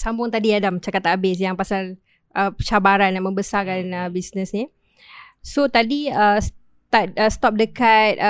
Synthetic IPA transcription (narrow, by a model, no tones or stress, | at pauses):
sambʊŋt̪adiadamt͡ʃakat̪aabɪs̬jaŋpasal | ʔəət͡ʃabaɾanamə̃mbəsakanəbisnəsni | sot̪adiəs | t̪aəst̪ɔp̚dəkat̪̚